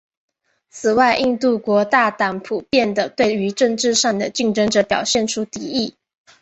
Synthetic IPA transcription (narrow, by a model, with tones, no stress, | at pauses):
t͡sʰɹ̩˨˩wa˥˧ɪʔi˥˧ŋt̪u˥˩kwɔ˧˥t̪a˥˩t̪ɑ˧˥ŋpʰu˨˩pjɛ˥˩nd̪ə˩t̪we˥˩ɪy˧˥ʈ͡ʂɤ˥˧ŋʈ͡ʂɻ̩˥˧ʂɑ˥˩ŋd̪ə˩t͡ɕi˥˩ŋʈ͡ʂɤ˥ŋʈ͡ʂɤ˨˩pjɑ˨˩ʊɕjɛ˥˩nʈ͡ʂʰu˥t̪i˧˥i˥˩